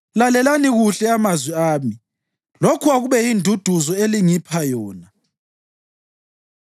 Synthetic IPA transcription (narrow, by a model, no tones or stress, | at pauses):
lalɛlaniɣuɬɛamazwiaːmi | lokʰuaɣuβɛindʱud̥ʱuzɔeliŋipʰajɔːna